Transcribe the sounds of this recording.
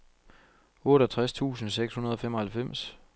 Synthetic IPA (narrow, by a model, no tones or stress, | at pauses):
ɔ̽ːɾɒt͡sʰʁast͡sʰṵːsn̩seɡ̥shunɐð̞ˠɒ̽fem̰ɒ̽hælfem̰s